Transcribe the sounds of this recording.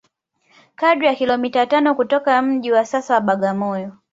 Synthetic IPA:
kadɾijakilɔmitatanɔkutɔkam̩ʄiwasasawaɓaɠamɔjɔ

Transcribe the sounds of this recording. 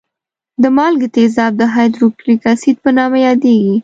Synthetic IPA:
d̪əmɑlɡət̪ezɑb̚d̪əɦɑjd̪ɾukɾikasit̪̚pənɑmajɑd̪eɡi

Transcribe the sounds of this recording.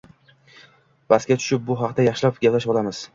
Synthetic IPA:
vaskʲat̪ʰʊ̥ʃɪp̚bʊɦɑqd̪ajɑχʃɪlapɡʲaplaʃbɒlamɪz̥

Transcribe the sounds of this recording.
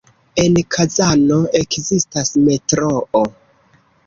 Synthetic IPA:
e̞nkʰazanoe̞kzistasme̞tɾoʔo

